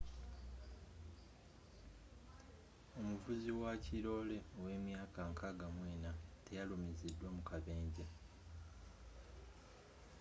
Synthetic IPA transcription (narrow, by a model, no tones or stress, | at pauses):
o̞muvuziwaciɾo̞ːle̞owe̞ːmjaːkaŋkʰaɡamweːnate̞jalumizidːwamukaβe̞ːɲɟe